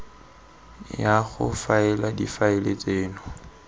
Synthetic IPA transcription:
jaχʊ̰faɛladifaɪlet͡sʼeːnʊ

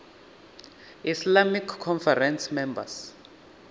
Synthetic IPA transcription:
islamikʰːɔnfɛrɛnsmɛmba̰s

